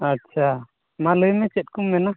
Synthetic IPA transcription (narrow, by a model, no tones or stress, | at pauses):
atːt͡ʃʰa | maləjmɛt͡ʃɛt̪̚kumːɛna